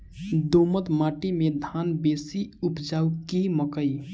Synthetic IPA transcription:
d̪omət̪maːʈimẽd̪ʱaːnbeːsiupd͡ʒaːukiməkəi

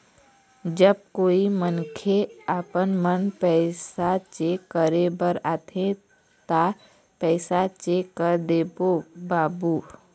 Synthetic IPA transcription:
d͡ʒəb̚koːimənkʰeapənmənpɛːsat͡ʃekəɾebəɾaːt̪ʰẽ | t̪a | pɛːsat͡ʃekəɾd̪eːbobaːbuː

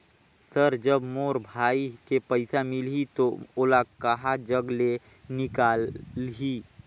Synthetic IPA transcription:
səɾd͡ʒəbmoːɾbʱaːikepəɪsamɪlɦit̪ooːlakəɦad͡ʒəɡle | nɪkaːlɦi

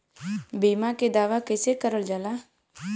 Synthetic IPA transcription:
biːmãːked̪aːʋaːkɪseːkəɾəld͡ʒaːlaː

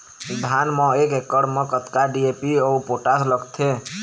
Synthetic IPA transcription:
d̪ʱanmɔ̃ekekːəɽmekət̪kaɖiepiɔupoʈasləɡt̪ʰe

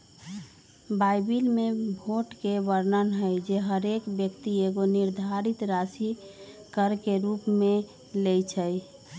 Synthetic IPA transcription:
bajbilmebʱoʈkebəɾnənɦəjd͡ʒeɦəɾekbjəkt̪ieɡoniɾd̪ʱaɾit̪ɾasi | kəɾkeɾupme | lejt͡ʃʰəj

